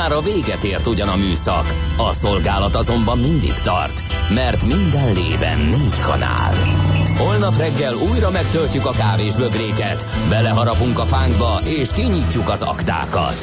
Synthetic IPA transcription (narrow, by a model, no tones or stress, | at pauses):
aːɾɒveːɡɛt̪eːrt̪uɟɒnɒmyːsɒ̰k | ɒso̞lɡaːlɒt̪ɒzo̞mbɒmːind̪ḭkt̪ɒ̰rt̪ | mɛrt̪mind̪ɛnlḛːvɛ̰nːeːckʰɒ̰na̰ːlho̞lnɒprɛɡːɛluːjrɒmɛkt̪ølcukɒkaːveːʒbø̞ɡreːkɛt̪ | bɛlɛɦɒɾɒpuŋkɒfaːŋɡbɒʔeːʃkiɲicːukɒzɒ̰kt̪a̰ːkɒ̰t̪